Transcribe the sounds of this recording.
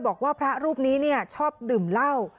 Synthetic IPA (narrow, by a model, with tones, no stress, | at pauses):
bɔː˨˩k̚waː˥˩pʰɾa˦˥ɾuː˥˩p̚niː˦˥ni˥˩ɐt͡ɕʰɔː˥˩p̚dɯː˨˩mla˥˩w